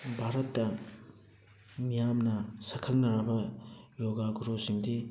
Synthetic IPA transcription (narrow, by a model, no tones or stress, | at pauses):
bʱaɾɐtːɐ | mijamnɐsɐkʰɐlnɐɾɐbɐjoɡaɡuɾosiŋdi